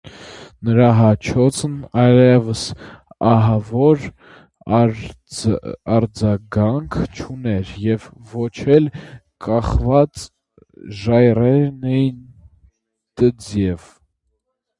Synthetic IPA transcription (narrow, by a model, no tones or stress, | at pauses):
nəɾɑɦɑt͡ʃʰɔt͡sʰnɑjlɛvəsɑɦɑvɔɾ | ɑɾd͡zɑɡɑŋkʰt͡ʃʰunɛɾjɛvːɔt͡ʃʰɛl | kɑχvɑt͡s | ʒɑjrɛɾnɛjin | t̪əd͡zjɛv